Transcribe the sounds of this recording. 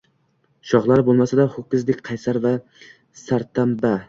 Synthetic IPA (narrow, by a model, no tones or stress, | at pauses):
ʃɒʁlˠaɾɪbolˠmasad̪aχokʲɪzd̪ɪkʲqʰɑjsaɾva | saɾt̪ʰamba